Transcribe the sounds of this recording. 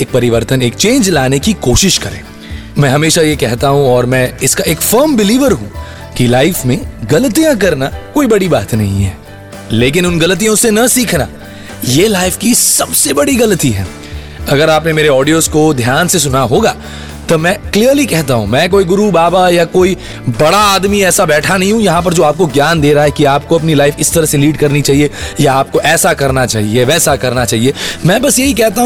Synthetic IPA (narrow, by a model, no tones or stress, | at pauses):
eːk̚pɐɾɪʋəɾt̪əneːkt͡ʃẽːnd͡ʒlaːnekikoːʃɪʃkɐɾḛ̃ː | mɛ̃ːɦɐmeːʃajekɛɦt̪aɦũɔːɾmɛ̃ɪskaeːkfəɾmbɪliːʋəɾɦũ | kilaːɪfmẽɡɐlət̪ijãk̬ɐɾnakoːibɐɽibaːt̪nɐɦḭ̃ɦɛː | leːk̬ɪnʊnɡɐlət̪̬ijõsenɐsiːkʰna | jelaːɪfkisɐbsebɐɽiɡɐlət̪iɦɛ̰ː | ɐɡəɾaːpnemeːɾeɔːɖijoːzkod̪ʱjaːnses̬ʊnaɦoːɡaː | t̪omɛ̃ːkliːəɾlikɛɦt̪aɦṵ̃mɛ̃ːk̬oːiɡʊɾubaːbajakoːi | bɐɽaaːd̪miɛːsabɛːʈʰanɐɦĩɦũjɐɦãp̬ɐɾd͡ʒoːaːp̚koɡjaːnd̪eːɾɐɦaɦɛkiaːp̚koɐp̬nilaːɪfɪst̪ɐɾəɦseliːɖkɐɾnit͡ʃaːɦiejaːp̚koʔɛːsakɐɾnat͡ʃaːɦieʋɛːsakɐɾnat͡ʃaːɦiemɛ̃ːbɐsjɐɦikɛɦt̪aɦũ